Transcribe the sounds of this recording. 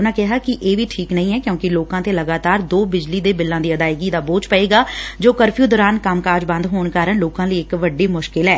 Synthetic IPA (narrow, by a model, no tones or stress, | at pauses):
ʊnãːkɛɦaːkɪʔeːʋiːʈʰiːknəĩːɛːkjõːkɪloːkãːt̪eːləɡaːt̪aːɾd̪oːbɪd͡ʒliːd̪eːbɪlːãːd̪iːəd̪aːɪɡiːd̪aːboːt͡ʃpəeːɡaːd͡ʒoːkəɾpʰjuːd̪ɔːɾaːnkəmkaːɾd͡ʒbə̃nd̪ɦoːɳkaːɾəɳloːkãːləiːɪkʋəɖːiːmʊʃkɪlɛː